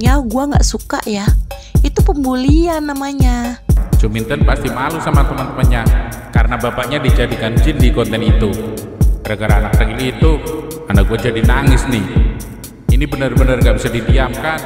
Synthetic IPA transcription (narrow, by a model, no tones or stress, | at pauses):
ɲaɡuaŋɡa̰ʔsuka̰ʔja | it̪upəmbulianːamaɲat͡ʃumint̪ənpast̪imalusamat̪əmant̪əmənɲa | kaɾənabapaʔɲadid͡ʒadikand͡ʒindikɔnt̪ɛnit̪upəɾəɡaɾaːnak̚t̪əŋiniːt̪uandaɡuad͡ʒadinaŋɪsnɪh | inibənərbənərŋɡaʔbisadidiamkan